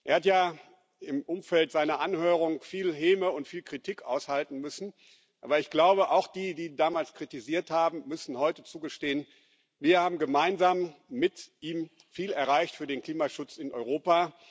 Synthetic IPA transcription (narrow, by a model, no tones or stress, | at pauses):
ʔeːɐhatjaː | ɪmʔʊmfɛltz̥aɪnɐʔanhøːʁ̞ʊŋfiːlɦeːməʊntfiːlkʁ̥itʰiːkʔa̰ʊshaltn̩mʏsn̩ | ʔaːbɐɪçɡ̥laʊbəʔaʊxd̥iːdiːdaːmaːlskʁ̥itiziːɐthaːbm̩mʏsn̩hɔʏtət͡suːɡəʃteːən | viːɐhaːbm̩ɡəmaɪnzaːmːɪtʔiːm | fiːlɛɐʁaɪçtfyːɐdeːnkliːmaʃʊt͡sɪnʔɔ̰ʏʁ̞oːpa